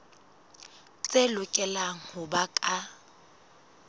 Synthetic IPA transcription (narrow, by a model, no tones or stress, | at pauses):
t͡sʼelʊkʼɛlaŋ̩hʊbakʼa